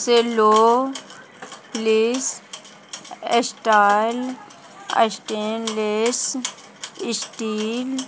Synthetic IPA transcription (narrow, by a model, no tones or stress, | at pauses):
seloː | pliːs | esʈal | a̰sʈenles | ɪsʈiːl